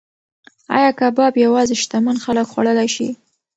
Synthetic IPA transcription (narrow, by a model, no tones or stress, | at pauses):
ɑ̰jɑkabɑbjawɑzeʃt̪amanxaləkxwa̰ɽəlajʃḭ